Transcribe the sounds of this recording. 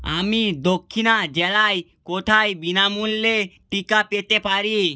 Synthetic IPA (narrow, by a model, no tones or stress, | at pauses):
a̰mid̪okʰːinad͡ʑɛlaj | kot̪ʰaebinamulːeʈikapet̪epaɾi